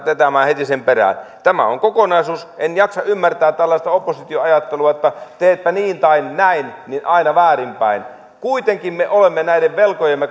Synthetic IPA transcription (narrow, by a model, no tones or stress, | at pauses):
t̪ʋet̪æmæːhet̪isemperæ̰ˑnt̪æmæ̰o̰ŋkokonɑisuːsʔenjɑksɑʔymːært̪æːtt̪ælːɑist̪ɑopːosit̪ioɑjɑt̪ːeluɑot̪ːɑt̪eːt̪̚pæniːnt̪ɑinnæinninʔɑinɑʋæːrimpæin | kuit̪eŋkimmeʔolemːenæiɾeʋʋelkojemːe